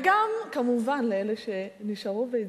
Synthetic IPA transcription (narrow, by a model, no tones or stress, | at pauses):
ɡamkamuvanleeleʃe̞niʃaʁovei